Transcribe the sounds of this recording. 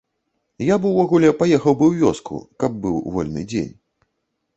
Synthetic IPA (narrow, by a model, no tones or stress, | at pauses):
jabɨwvaɣulʲɛpajɛxɐwbɨwvʲɔskʰṵkɐb̚ːɨwvɔlʲnɨ̰d͡zʲḛnʲ